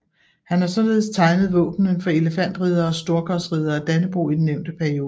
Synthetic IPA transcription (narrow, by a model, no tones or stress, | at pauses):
hænhɑ̈sɒ̽nle̝ːðˠst͡sʰɑ̈ɪnəð̞̩ˠʋɔ̰̽ːb̥nənfɒ̽e̝ləfæn̰d̥ʁið̞ˠɐɒ̽sd̥o̝ɐkʰɒsʁið̞ˠɐæd̥ænəb̥ʁṵid̥n̩neʊ̰nd̥əpʰæɐio̝ː